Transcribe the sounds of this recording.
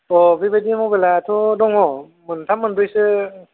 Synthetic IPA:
ɔbibadimɔbelatʰɔdɔŋɔ | mɯntʰamːɯndɯjsɯ

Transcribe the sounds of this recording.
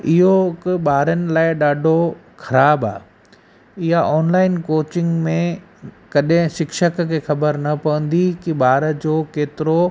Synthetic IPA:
ɪɦokɪɓaːɾənɪ̆laːɪɗaːɖʱo | xɐɾaːba̰ː | ɪɦaʔɔːnlaːɪnkoːt͡ɕɪ̃ŋɡmẽ | kɐɗɦɪ̃ʃɪkʃəkkʰeːxɐbəɾnɐpɐʋə̃nd̪ikiɓaːɾəd͡ʑoːkeːt̪ɪɾo

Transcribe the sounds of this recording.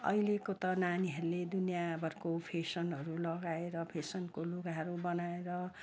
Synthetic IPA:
ʌ̰ilekot̪ʌnaniɦʌɾuled̪unjabʱʌrkopʰesʌnɦʌɾulʌɡaeɾʌpʰesʌnkolokaɦʌɾubʌnaeɾʌ

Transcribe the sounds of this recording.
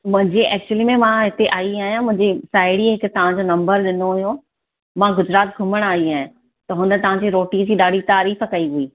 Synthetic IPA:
mʊ̃ɦɪ̃ɲd͡ʑeʔɛːk̚t͡ɕuəlimẽmãɦɪt̪eʔaːiaːɦjãmʊ̃ɦɪ̃ɲd͡ʑesaːɪɽiɦɪkt̪ɐʋ̤ãɲd͡ʑonɐ̃mbəɾɗɪnoɦʊɦjo | mãɡʊd͡ʑɾaːt̪̚ɡʱʊməɽ̃aːiaːɦɪ̃ | t̪ɐɦʊ̃nd̪t̪ɐʋ̤ãɲd͡ʑiɾoːʈĩːd͡ʑiɗaːɖ̤ʱit̪aːɾiːfkɐiɦuiː

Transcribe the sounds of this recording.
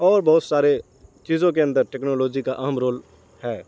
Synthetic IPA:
ɔːɾbɐɦːʊt̪saːɾe | t͡ʃiːzõk̬eɐ̃nd̪əɾʈɛːknoːloːd͡ʒikaʔɐɦəmɾoːl | hɛː

